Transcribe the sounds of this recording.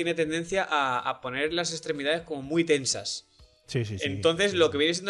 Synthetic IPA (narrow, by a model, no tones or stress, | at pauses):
jene̞t̪e̞nd̪e̞n̟θjaʔa̰ːpo̞ne̞ɾlase̞st̪ɾe̞miðaðesko̞mo̞mwijt̪e̞nsa̰s | sisent̪o̞nθe̞szlo̞keje̞nes̬e̞n